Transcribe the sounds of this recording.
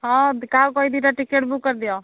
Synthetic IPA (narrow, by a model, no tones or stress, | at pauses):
ɦɔ̃d̪kaɦukɔid̪iɾaʈikeʈbukːəɾd̪ijo